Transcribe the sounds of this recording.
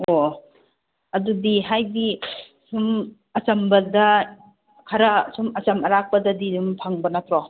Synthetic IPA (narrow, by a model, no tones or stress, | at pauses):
o | ɐdudiɦajdi | sum | ɐt͡ʃɐmbɐdɐ | kʰɐɾɐsumɐt͡ʃɐmɐɾak̚pɐdɐdidumpʰaŋbɐnɐpʰɾɔ